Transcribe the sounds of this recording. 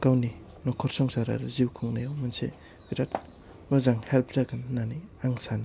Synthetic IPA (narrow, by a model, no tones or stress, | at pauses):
kawni | nɔkʰɔɾsɔŋsaɾa̰ɾziwkʰuŋnajawmansḛ | biɾat̚ | mɯzaŋhelpʰdaɡɯnːaniaŋsana